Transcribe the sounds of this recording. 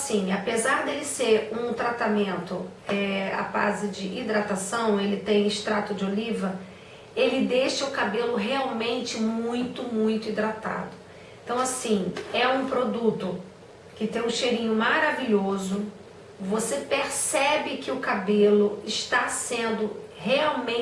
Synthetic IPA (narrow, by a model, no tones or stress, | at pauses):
sĩapezaɾd̪elɪseɾũt̪ɾat̪amẽnt̪ʊɛa̰pa̰zɪd͡ʒɪʔid̪ɾat̪asɐ̃w̃elɪt̪ẽj̃ɪʃt̪ɾat̪ʊd͡ʒɪolivɐ | elɪd̪eʃɐʊkabelʊɦeawmẽnt͡ʃɪmũj̃t̪ʊmũj̃t̪ʊid̪ɾat̪a̰d̪ʊ | ĩt̪ɐ̃w̃asĩɛũpɾod̪ut̪ʊ | kɪt̪ẽj̃ũʃejɾĩɲʊmaɾaviʎozʊ | vosepeɾsɛbɪkɪʊkabelʊɪʃt̪asẽnd̪ʊheawmẽ